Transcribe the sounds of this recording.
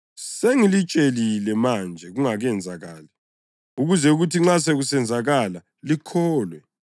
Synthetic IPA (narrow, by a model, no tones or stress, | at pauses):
seŋilit͡ʃʼelilɛmand͡ʒʱɛɣuŋaɣɛnd͡zʱaɣaːli | uɣuzɛuɣutʰiŋ͡ǁas̬eɣusɛnd͡zʱaɣala | likʰɔːlwɛ